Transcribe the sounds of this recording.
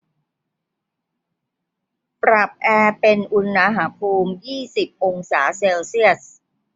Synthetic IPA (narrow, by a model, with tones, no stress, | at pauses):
pɾa˨˩p̚ʔɛː˧pe˧nʔu˧nːa˧ɦa˩˥pʰuː˧mjiː˥˩si˨˩p̚ʔo˧ŋsaː˩˦seː˧wsi˥˩əs